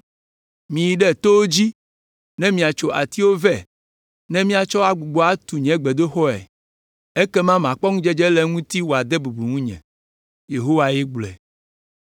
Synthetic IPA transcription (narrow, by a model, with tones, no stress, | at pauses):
mĩ˨ji˨ɖɛ˦t̪o˦wo˦d͡ʑi˦ | nɛ̃˦mĩ˨a˨t͡ʃo˨ʔa˨t̪i˦wo˦vɛ˨ | nɛ̃˦mĩ˦a˨t͡ʃɔ˦a˦ɡ͡bu˨ɡ͡bɔ˦a˦t̪u˨ɲɛ̃˦ɡ͡bɛ˨d̪o˦xɔ˦ɛ̰˨ | e˦kɛ˦mã˦m˨ã˨k͡pɔ˦ŋũ˦d͡ʒɛ˦d͡ʒɛ˦lɛ˦ŋũ˦t̪i˦wo˨a˨d̪ɛ˦bu˨bu˨ŋũ˦ɲɛ̰̃˨ | je˨ɦo˦wa˦jɛ˦ɡ͡blɛ̰˨